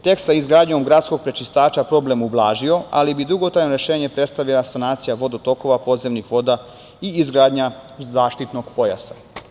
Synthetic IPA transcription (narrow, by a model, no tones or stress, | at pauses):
t̪e̞ksaizɡɾaːd̪ɲo̞mɡɾat̪sko̞ɡ̚pɾet͡ʃist̪aːt͡ʃapɾo̞ble̞mublˠaːʒio̞a̰libid̪uɡo̞t̪ɾajnoɾe̞ʃe̞ːɲe̞pɾe̞t̪st̪aʋilˠasanaːt̪sijaʋo̞d̪ot̪o̞ko̞ʋapo̞zemnixʋo̞d̪a | iizɡɾaːd̪ɲazaːʃt̪it̪no̞ɡ̥po̞ja̰sa